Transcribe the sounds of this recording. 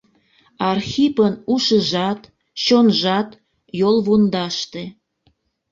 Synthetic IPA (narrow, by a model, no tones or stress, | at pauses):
ɑrxipənuʃəʒɑt̪ | t͡ɕonʒɑt̪ | jolβund̪ɑʃt̪e